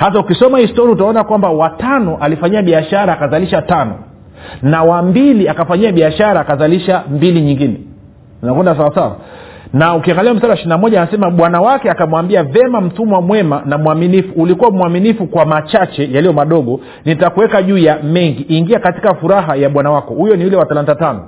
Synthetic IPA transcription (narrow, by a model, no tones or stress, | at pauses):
has̬aukisɔmahistɔɾiautaɔnakwambawatanɔʔalifaɲiaɓiaʃaɾaːkazaliʃatanɔ̰ | nawambiliakafaɲiaɓiaʃaɾaːkazaliʃambiliɲiŋɡinɛ | ninakwɛndasawasawa̰ | naukiaŋɡaliam̩saɗawaʃininamɔʄaːnasɛmaɓwanawakɛakamwambiavɛmam̩tumwamwɛmanamuaminifuːlikuwamuaminifukwamat͡ʃat͡ʃɛjalijɔmaɗɔɠɔ | nitakuwɛkaʄuːjamɛŋɡiʔiŋɡiakati̥kafuɾaɦajaɓwanawakɔhujɔniulɛwaθalantatanɔ